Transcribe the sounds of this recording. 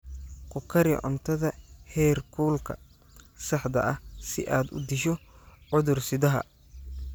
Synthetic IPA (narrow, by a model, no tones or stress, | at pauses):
qʊkʰɐɾjɛ̰ʔʊ̰nt̪ʰɐðɐhɛːrkʰuːlkʰɐ̰ | sɑħd̪ɐ̰ʔɐsɪʔaːd̪ʊ̰d̪ɪʃɔʕʊðʊrsɪðɐɦɐ̰